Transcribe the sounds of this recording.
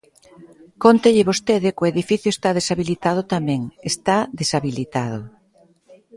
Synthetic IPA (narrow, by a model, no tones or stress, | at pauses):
kont̪eʎɪβost̪eðɪkʊeðifiθjʊest̪aðesaβilit̪að̞ʊt̪amɛ̃ŋest̪aðesaβilit̪að̞ʊ